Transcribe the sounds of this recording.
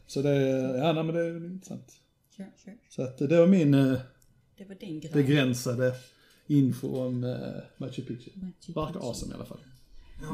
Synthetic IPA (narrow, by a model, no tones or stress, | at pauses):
sɔd̪ɛjaːnæɪmɛnd̪ɛɛɪnt̪ɾəsa̰nt̪ | sɔat̪d̪ɛvaɾmɪn | bɛɡɾɛnsad̪ə | ɪnfʊ̰ɔmːat͡ʃɛpʰɪt͡ʃɪvaɾkaʔɑːsɛ̰mɪ̰a̰lʔafa̰l